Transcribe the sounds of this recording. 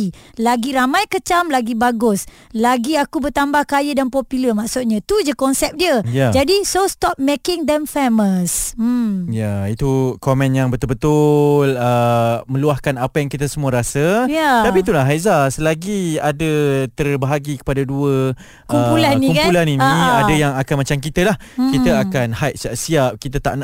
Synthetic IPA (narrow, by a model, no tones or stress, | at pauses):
ilaɡiɾamãjkət͡ʃamlaɡibaɡʊs | laɡiakubərt̪ambahkajədanpɔpiləmaʔsʊt̪̚ɲãt̪ud͡ʒakɔnsɛp̚diəjad͡ʒadisost̪ɔp̚mekɪŋd̪ɛmfeməsm̩jait̪ukomɛ̃njaŋbət̪ʊlbət̪ʊləmə̃luahkanapajaŋkit̪asəmuaɾasəjat̪apit̪ulaɦajzasəlaɡiadat̪ərbəɦaɡikə̥padaduə | kuəmpulannikukpulaniniadajaŋakanmat͡ʃamk̬it̪alah | kit̪aakanhajt̪̚siap̚siap̚kit̪at̪a̰ʔna